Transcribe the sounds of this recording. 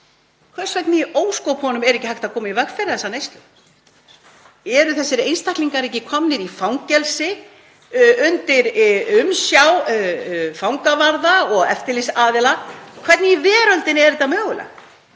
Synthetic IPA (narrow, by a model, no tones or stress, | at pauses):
kʰvɛ̥svɛt̪nɪioːwskowphɔnʏmɛɾɛhcːɪhajht̪aðkʰɔːmaivɛxfɛɾɪθɛsanejst̪lʏ | ɛɾʏθɛsːɪɾejnst̪ahkliŋkaɾɛhcːɪkʰɔmnɪɾifawŋcɛlsɪ | ʏnt̪ɪɾʏmsjaw | fawŋkavaɾðaɔɣɛ̰ft̪ɪɾlisaːðɪlakʰvɛt̪nɪivɛːɾœlt̪ɪnɪɛɾt̪ːamœːɣʏlʔa̰